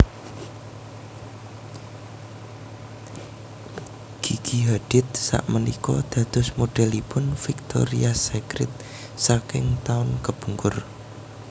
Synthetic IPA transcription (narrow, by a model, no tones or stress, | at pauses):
ɡ̥iɡ̥iɦaɖ̥ɪt̪̚sa̰ʔmənikɔd̪̥ä̤t̪ʊ̤smoɖ̥ɛlipʊnfik̚t̪o̰ɾiasekɾɪ̰t̪̚ | sakɪŋt̪aʊnkəb̥uŋkʊr